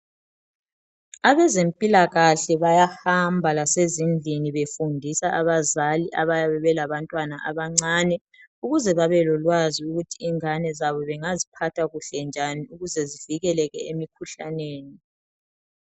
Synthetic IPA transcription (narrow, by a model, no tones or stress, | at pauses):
aβɛzempʼilaɣaɬɛβajahambʱalasezind͡ɮʱiniβefundʱisaʔaβazaliʔaβajaβɛβɛlaβantʼwanaʔaβaŋ͡ǀanɛ | uɣuzɛβaβɛlɔlwaziuɣutʰiːŋanɛzaβɔβɛŋazipʰatʰaɣuɬɛnd͡ʒʱaniuɣuzɛziviɣɛlɛɣɛemikʰuɬa̰neːni